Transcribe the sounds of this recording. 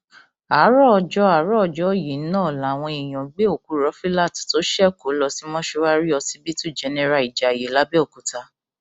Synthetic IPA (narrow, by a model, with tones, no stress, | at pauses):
a˨˦ɾɔ˦ɔ˧d͡ʒɔ˦a˨˦ɾɔ˦ɔ˧d͡ʒɔ˦˨ji˨˦nãː˦˨la˨w̃ɔ̃˧i˨j̃ã˨˦ɡ͡be˦o˦˨ku˨˦ɾɔ˨˦fi˦la˦˨tto˨˦ʃɛ˦˨ko˨˦lɔ˧si˦mɔ̃˦ʃo˧˦wa˦ɾi˦ɔ˧si˦bi˦tu˦˨d͡ʒɛ˨˦nɛ̃˦ɾa˧˨i˨d͡ʒa˨je˨˦la˨˦bɛ˦ɔ˦˨ku˨˦ta˧